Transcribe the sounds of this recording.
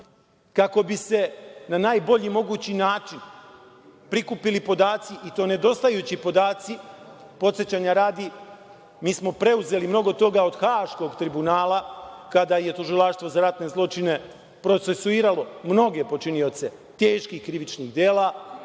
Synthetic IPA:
kako̞bise̞nanaːjbo̞ʎimo̞ɡuːt͡ɕinaːt͡ʃin | pɾikupilipo̞d̪aːt̪siʔit̪o̞ːne̞d̪o̞st̪ajut͡ɕipo̞d̪aːt̪si | po̞t̪set͡ɕaːɲaɾaːd̪i | miːsmo̞pɾe̞uze̞limno̞ɡo̞t̪o̞ɡao̞d̪xaːʃko̞ɡt̪ɾibunaːlakad̪aje̞t̪uʒilˠaʃt̪ʋo̞zaɾat̪ne̞zlˠo̞t͡ʃine̞ | pɾo̞t̪se̞suiːɾalo̞mno̞ɡe̞po̞t͡ʃinijo̞t̪se̞ | t̪e̞ːʃkixkɾiʋit͡ʃniɣd̪je̞ːlˠa

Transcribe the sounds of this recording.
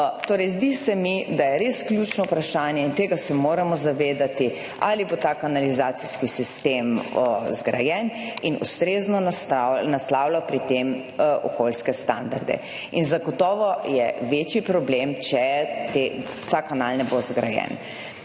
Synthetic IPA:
t̪oːɾɛjzd̪isɛmid̪ajɛɾeskljut͡ʃnɔupɾaʃaːnjɛint̪eːɡasɛmoːɾamɔzaʋeːd̪at̪i | a̰libot̪aːkanalizaːt̪siskisist̪emzɡɾa̰jɛninṵst̪ɾeːznɔnanaslaːwlapɾit̪em | ʔɔkolskɛst̪a̰nd̪a̰ɾd̪ɛ̰ | inzaɡɔt̪ɔːʋɔjɛʋeːt͡ʃjipɾɔblemt͡ʃɛt̪e | t̪akanalnɛbozɡɾa̰jɛ̰n

